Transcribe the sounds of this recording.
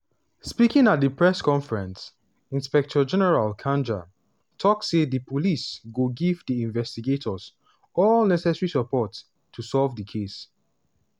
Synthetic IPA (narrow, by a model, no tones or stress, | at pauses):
spikɪ̃ŋat̚dəpʰɹɛskɔ̃ɱfɛɹɛ̃ns | ĩnspɛk̚tʰɔd͡ʒɛnɛɹalkʰãnd͡ʒa̰ | tʰɔkseðəpolisɡoɡivdiĩnvɛstiɡetʰɔz̥ | ɔlnɛsɛsɹisəpɔt | tʰːusɔlvðəkʰes